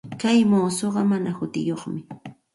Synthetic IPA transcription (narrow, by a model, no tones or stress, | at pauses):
kajmoːsoɢɑmanahʊt̪ɪ̰joχmɪ